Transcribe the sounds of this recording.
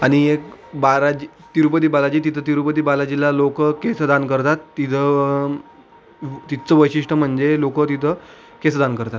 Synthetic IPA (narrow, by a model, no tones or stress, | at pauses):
aɽ̃iekbaɾad͡ʑi | t̪iɾupət̪iːbalad͡ʑiːt̪it̪ʰət̪iɾupəd̪iːbalad͡ʑilalokəkesəd̪ankəɾt̪at̪ːit̪ʰə | t̪it͡səʋəjɕiʂʈəm̤əɳd͡zelokət̪it̪ʰə | kesd̪ankəɾt̪at̪